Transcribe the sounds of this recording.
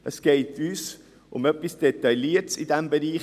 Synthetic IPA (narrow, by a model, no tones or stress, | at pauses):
ʔəsɡ̥eɪtʰyːs | ʔʊ̰mœpːisd̥et̪ɑɪliːətsɪdɛmbəɾiːχ